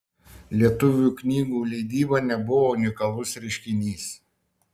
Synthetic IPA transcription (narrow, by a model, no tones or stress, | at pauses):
lʲiɛt̪ʊʋʲuˑknʲiːɡuːlʲɛɪd̪ʲiːbɐnʲɛbʊʋoːʊnʲɪkɐlˠʊsɾʲɛɪʃʲkʲɪnʲiːs